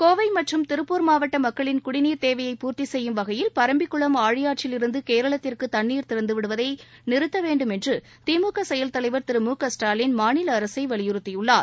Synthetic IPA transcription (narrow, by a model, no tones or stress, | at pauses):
koːʋɐɪmɐʈrɯmt̪ɪɾɯpːuːɾmaːʋɐʈːɐmɐkːɐɭɪnkʊɽɪniːɾt̪eːʋɐjɐɪpːuːɾt̪isɛjːɯmʋɐɣɐjɪlpɐɾɐmbɪkːɯɭɐmaːɻɪjaːʈ̚t͡ʃɪlɪɾɯnd̪ɯkeːɾɐɭɐt̪ːɪrkɯt̪ɐnːiːɾt̪ɪɾɐnd̪ɯʋɪɽɯʋɐðɐɪnɪɾɯt̪ːɐʋeːɳɖɯmɛndrɯ | t̪iːmuːkɐsɛjɐlt̪ɐlɐɪʋɐɾt̪ɪɾɯmuːkɐsʈaːlɪnmaːnɪlɐːɾɐsɐɪʋɐɭɪjʊɾɯt̪ːɪjɯɭːaːɾ